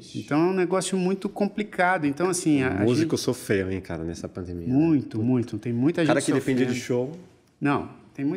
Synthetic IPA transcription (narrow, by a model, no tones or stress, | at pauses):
ẽnt̪ɐ̃w̃ɛũneɡɔsjʊmũj̃t̪ʊkõmplikad̪ʊẽnt̪ɐ̃w̃asĩaam̰uzikʊsofɾejʊẽka̰ɾɐ̰nɛsɐpɐ̃nd̪emimũj̃t̪ʊmũj̃t̪ʊt̪ẽj̃mũj̃t̪ɐʒekãɾɐkɪd̪efẽd͡ʒid͡ʒɪʃow | nɐ̃w̃t̪ẽj̃mũ